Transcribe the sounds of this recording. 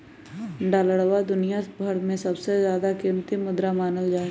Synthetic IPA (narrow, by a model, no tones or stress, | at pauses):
ɖaːləɽwad̪ʊnijabʱəɽmẽsɐbsezjaːd̪akɪmt̪imʊd̪ɾamaːnəld͡ʒaːe